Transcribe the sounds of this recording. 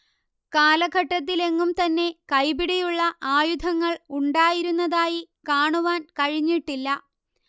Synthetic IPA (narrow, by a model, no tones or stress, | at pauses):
kaːlɐɡʱɐʈːɐt̪̬ːile̞ŋːumt̪ɐnːe̞kɐjbiɽɐjuɭːɐʔaːjud̪ʱɐŋːɐɭuɳɖaːjiɾunːɐðaːjikaːɳuʋaːnkɐɻiɲːiʈːilːɐ